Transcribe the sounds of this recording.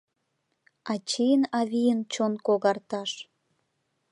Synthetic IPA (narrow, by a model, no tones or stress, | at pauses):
ɑt͡ɕijənɑβijənt͡ɕonkoɣɑrt̪ɑʃ